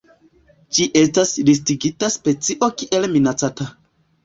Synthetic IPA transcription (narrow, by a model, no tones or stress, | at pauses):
d͡ʒiʔe̞staslistiɡitaspe̞t͡siʔo̞kiʔe̞lminat͡sata